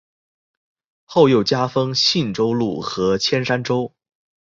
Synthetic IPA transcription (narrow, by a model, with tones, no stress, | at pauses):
xo˥˧ʊjo˥˩ʊt͡ɕja˥fɤ˥ŋɕi˥˩nʈ͡ʂo˥ʊlṵ˥˩xɤ˧˥t͡ɕʰjɛ˥nʂa˥nʈ͡ʂo˥ʊ